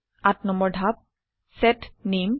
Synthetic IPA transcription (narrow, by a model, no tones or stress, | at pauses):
atnɔmbɔɹɖʱap̚ | sɛtnem